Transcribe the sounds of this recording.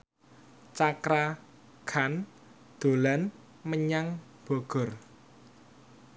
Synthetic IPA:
t͡ʃakɾa | kʰan | d̪̥o̤lan | məɲaŋ | b̥ɔɡ̥ɔ̤r

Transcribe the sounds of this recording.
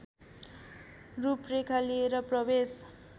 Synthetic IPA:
ruprekʰalieɾʌprʌbes

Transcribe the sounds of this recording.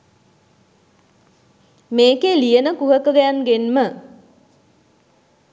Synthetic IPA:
meːkeːlijənəkuɦəkəɡæjanɡenmə

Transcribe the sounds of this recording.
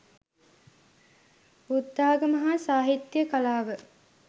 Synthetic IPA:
bud̪ːaːɡəmɐɦaːsaːɦit̪jəkalaːʋə

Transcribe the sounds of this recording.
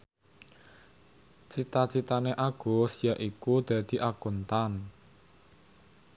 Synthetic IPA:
t͡ʃit̪at͡ʃit̪aneʔaɡ̥o̤sijaʔikud̪̥a̤d̪̥i̤ʔaɡ̥o̤nt̪an

